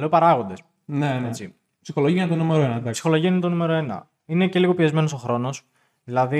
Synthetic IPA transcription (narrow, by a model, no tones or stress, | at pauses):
leopɐɾɐɣo̞nd̪e̞s | neet͡si | psixoloʝiɐnt̪onumeɾoenɐd̪ɐpsi̥xo̞lo̞ʝiɐinɐt̪o̞nume̞ɾo̞e̞nɐ̰ | ine̞ce̞liɣo̞piezme̞no̞so̞xɾo̞no̞s | ðilɐði